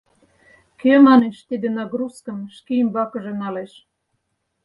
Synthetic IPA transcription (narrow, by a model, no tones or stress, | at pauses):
kemɑneʃt̪id̪enɑɡɾuskə̆mʃkimbɑkɤ̆ʒĕnɑleʃ